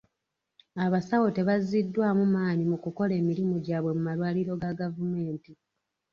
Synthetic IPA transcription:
aβasawote̞βazidːwaːmumaːɲimukuko̞le̞ːmiɾimoɟaːβwe̞mumalwaːliɾo̞ɡaɡavume̞ːnti

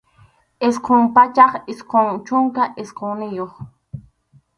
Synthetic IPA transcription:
esqʰoŋpat͡ʃɑχɪsqʰoŋt͡ʃʊŋkaʔesqʰonɪjoχ

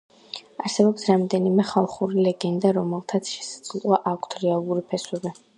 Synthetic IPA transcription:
aɾsɛbɔpsɾamd̪ɛnimɛχalˠχuɾilɛɡɛnd̪aɾɔmɛlˠt̪ʰat̪sʰʃɛsḁsʼlˠwaʔakʷʰt̪ʰɾɛalˠuɾipʰɛswɛbi

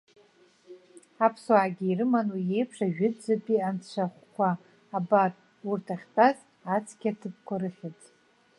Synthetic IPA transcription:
apʰswaːɡʲiirɨmanujejpʰʂaʒᶣɪd͡zɨpʼiant͡ɕʷʰaχʷkʷaː | bar | urtʰaχʲtʼaz | at͡sʰɡʲatʰɨp̚ʰkʷʰaɾɨχʲɪtʼ

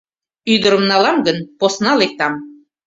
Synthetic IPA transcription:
yd̪ŏɾə̆mnɑlˠɑmɡə̆nposnɑlˠek̚t̪ɑm

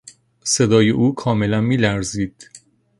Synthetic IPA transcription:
se̞d̪ɒːje̞ʔuːkʰɒːme̞lænmiːlæɾziːd̪̥

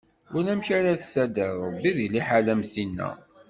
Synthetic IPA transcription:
ʊɾnæmʃaɾaθsæd̪əɾˤbiðiliħalæmsinːæ̰

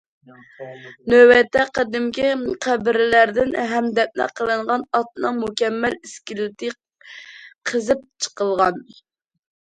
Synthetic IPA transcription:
nøwɛt̪ʰːɛqəd̪ɪmkʲiqʰæbɪɾɪlæɾd̪ɪnɦɛmd̪ɛp̚nɛ̰qʰəlˠɨɴʁɑnɑt̪̚nɨŋmukʲɛmːæliskʲilɪt̪ʰɪ | qʰəzɨp̚t͡ʃʰə̥qəlˠʁɑn

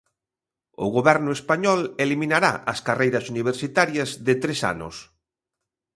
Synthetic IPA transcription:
ʊ̰ɣoβɛɾnʊespaɲɔleliminaɾa̰ʔɐskarejɾɐsuniβ̞eɾsit̪aɾjɐzðɪt̪ɾesa̰nʊ̰s

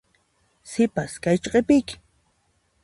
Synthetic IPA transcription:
sɪpaskajt͡ʃqepɪkɪ̥

